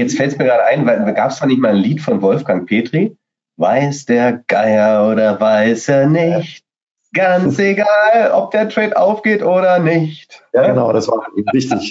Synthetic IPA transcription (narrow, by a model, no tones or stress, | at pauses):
jɛt͡stfɛltstmiːɐɡʁaːɾəʔaɪnvaɪlɡaːpsd̥aːnɪçtmaːlnliːtfɔnvɔlfɡ̥aŋpʰeːtʁ̥i | vaɪsd̥eːɐɡ̥aɪɐoːɾɐvaɪseːɐnɪçt | ɡ̥ant͡sseɡaːlʔɔ̰p̚d̥eːɐtʁ̥ɛːtʔa̰ʊfɡ̥eːtʔoːɾɐnɪçtjaənaʊdasv̥a̰ːvɪçtɪç